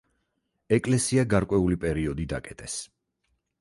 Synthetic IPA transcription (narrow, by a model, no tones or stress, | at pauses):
ɛkʼlɛsiaɡaɾkʼwɛulipʼɛɾiɔd̪id̪a̰kʼɛt̪ʼɛs